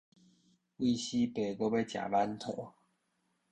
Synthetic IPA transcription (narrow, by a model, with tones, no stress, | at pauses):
wi˥˩ɕi˦pe˨˩ɪko˥˦pe˥˧˩t͡ɕja̰˨˩la˥˦nt̪ʰo˨˩˦